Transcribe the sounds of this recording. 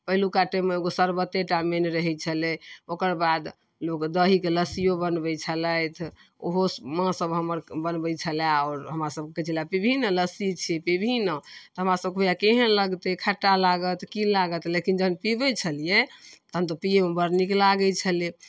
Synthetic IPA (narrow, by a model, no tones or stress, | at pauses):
pəɦilukaʈɛmeeɡosəɾbət̪ːeʈamenɾəɦɛt͡ʃʰəlɛokəɾbad̪ | lokd̪əɦikeləsijobənbɛt͡ʃʰələjt̪ʰ | oɦomãsəbɦəməɾbənbəjt͡ʃʰəlaɔɾɦəmɾasəb̚kekət͡ʃʰilapibʱinələsit͡ʃʰipibʱinət̪ɔɦəmɾasəb̚keɦujakeɦənləɡt̪ekʰəʈːalaɡət̪kilaɡət̪lekind͡ʒəɦənpibɛt͡ʃʰəlijɛt̪əɦənt̪ɔpieũbəɾniklaɡɛt͡ʃʰəle